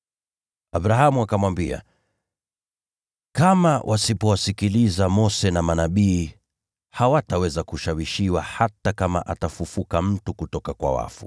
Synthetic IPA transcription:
aɓɾaɦamuakamwambia̰ | kamawʔasipɔwasikilizamɔsɛnamanaɓiː | hawatawɛzakuʃawiʃiwahatakama̰ʔatafufukam̩tukutɔkakwa̰wa̰fṵ

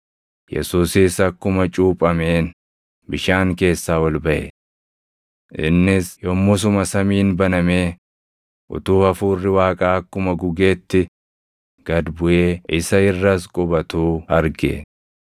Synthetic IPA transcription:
jɛ̰suːsɪːsɐkːʊmɐt͡ʃʼuːpʼɐme̞ːn | bɪʃaːŋke̞ːsːaːwɐlbɐʔɛ̰ | ʔɪ̰nːɪsjɔmːʊs̬ʊmɐsɐmiːnbɐnɐmeː | ʔʊ̰t̪uːɐfuːrːɪwaːkʼaːɐkːʊmɐɡʊɡe̞ːt̪ːɪ | ɡ̥ɐd̪bʊʔe̞ːʔɪsɐɪrːɐskʼʊbɐt̪uːɐɾɡḛ

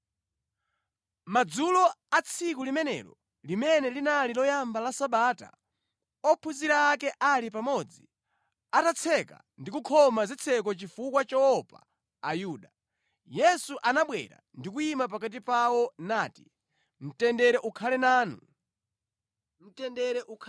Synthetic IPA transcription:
mad͡zulɔat͡sʰikulimɛnɛ̰ɾɔ̰ | limɛnɛlinalilɔjambalasaɓaːta̰ | ɔpʰuziɾaːkɛʔalipamɔd͡zḭ | atat͡sʰɛka̰ | ndikukʰɔmazit͡sʰɛk̬ɔt͡ʃifukwat͡ʃaɔpa̰ː | juːɗa | jɛsuʔanaɓwɛ̰ɾa̰ndik̬uimap̬akat̬ipawɔnaːti̥ | m̩tɛndɛɾɛʔukʰalɛnaːnṵ | m̩tɛndɛɾɛʔukʰ

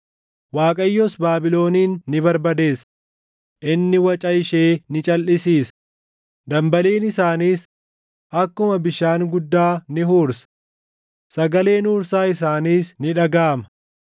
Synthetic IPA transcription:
waːkʼɐjːɔsbaːbɪlo̞ːniːnːɪbɐɾbɐd̪e̞ːs | ʔɪnːɪwɐt͡ʃʼɐɪʃeːnɪt͡ʃʼɐlʔɪsiːs | d̪ɐmbɐleːnɪsaːniːs | ʔɐkːʊmɐbɪʃaːŋɡʊd̪ːaːnɪɦuːɾsɐ̥ | sɐɡɐle̞ːnuːɾsaːɪs̬aːniːsnɪᶑɐɡaːmɐ̥

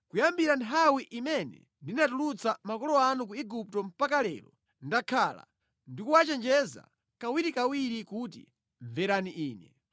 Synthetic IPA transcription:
kujambiɾantʰawiʔimɛnɛ̰ | ndinatulut͡samakɔlɔanuk̬uiɡup̚tɔm̩pakalɛ̰ːɾɔ̰ | ndakʰala̰ | ndikuwat͡ʃɛnd͡ʒɛza̰ | kawiɾikawiɾikut̬ḭ | ɱvɛɾaniʔiːnɛ̰

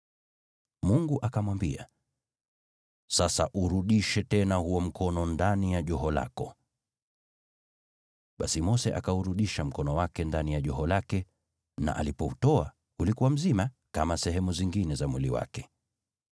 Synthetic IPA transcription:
muŋɡuʔakamwambḭa̰ | sasa̰ʔuɾuɗiʃɛtɛnahuɔm̩kʰɔnɔndanijaʄɔɦɔla̰kɔ | ɓasimɔsɛʔakauɾuɗiʃam̩kɔnɔwakɛndanijaʄɔɦɔlakɛ | na̰ʔa̰lipɔutɔa̰ | ulikuwam̩zima | kamasɛɦɛmuziŋɡinɛzamwiliwa̰kɛ̥

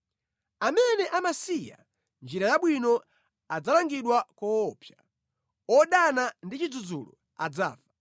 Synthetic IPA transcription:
amɛnɛʔamasija̰ | nd͡ʒiɾajaɓwinɔ | ad͡zalaŋɡiɗwakɔːpʰja | ɔɗanandit͡ʃid͡zud͡zṵlɔ̰ | ad͡za̰ːvḁ

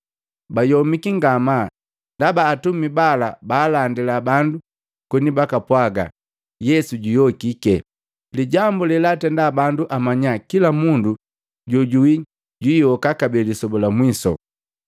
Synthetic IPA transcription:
bajɔmikiŋɡama | ndabaːtumibalabaːlandilabandu | kɔnibakapwaɡa̰ | jɛsuɟijɔkikɛ | liɟambulɛlatɛndaːbanduʔamaɲakilamundu | ɟɔɟui | ɟiːjɔkakabɛlisɔbɔlamwisɔ̰

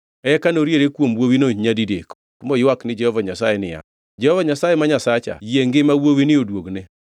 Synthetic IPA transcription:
ɛkanoɾjeɾekwomwowinoɲadidek | mojwaknɪd͡ʒɛhɔvaɲasajenɪja̰ | d͡ʒɛhɔvaɲasajemaɲasat͡ʃa̰jeŋɡɪmawowinɪodwoɡne

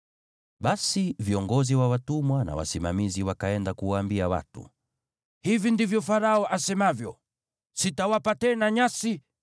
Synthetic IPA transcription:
ɓasiviɔŋɡɔziwawatumwana̰wa̰simamiziwakaɛndakuwaːmbiawa̰tṵ | hivindivjɔfaɾaɔʔasɛmavjɔ̰ | sitawapatɛnaɲasi

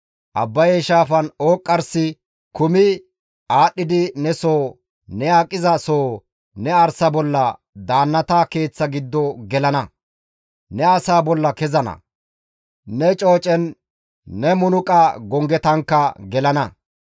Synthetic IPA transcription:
ʔɐ̰bːɐjɛʃaːfɐnoːkʼːɐɾsɪ | kʊmɪ | aːɗːɪd̪ɪnɛsoː | nɛaːkʼːɪzɐsoː | nɛɐɾsɐbɔlːɐ | d̪aːnːɐt̪ake̞ːt͡sːɐɡɪd̪ːɔɡɛlɐnɐ | nɛɐsaːbɔlːɐkɛzɐnɐ̰ | nɛt͡ʃʼo̞ːt͡ʃʼɛnː | ɛmʊnʊkʼɐɡɔŋɡɛt̪ɐŋkːɐɡɛlɐnɐ

